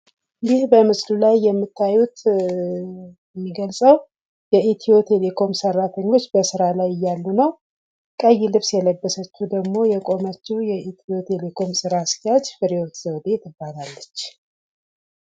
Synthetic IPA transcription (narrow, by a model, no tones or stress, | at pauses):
jɪhbəmɨslulajːɛmːɨt̪ʰːajut̪ | ɛmːiɡəlsʼəw | jɛit̪ʰio̞t̪ʰe̞le̞kʰo̞msərːat̪ʰəɲːo̞t͡ʃːbəsɨɾalajɪjːalːunəw | kʼəjːilɨβsjɛləbːəsət͡ʃːud̪əɡmo̞jɛkʼo̞mət͡ʃːiwjɛit̪ʰio̞t̪ʰe̞lekʰo̞msɨɾask̪jad͡ʒfɨɾiwo̞t̪z̥əwd̪e̞t̪ʰɨbːalalːət͡ʃː